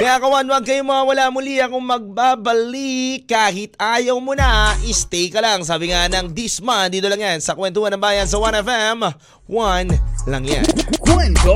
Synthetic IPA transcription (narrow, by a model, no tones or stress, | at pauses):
kɐjakɐwanwɐɡ̚kɐjomɐŋɐwɐlamʊliɐkʊŋmɐɡ̚baːbɐlikːaːhɪt̪ʔaːjɐwmonɐʔɪst̪ɛjkɐlaŋs̬aːbɪŋanɐŋd̪ismand̪iːt̪olɐŋjansɐkwɛnt̪ʊhɐnːɐŋbaːjɐnsɐwanɛfɛm | wanlɐŋja̰nkwɛnt̪o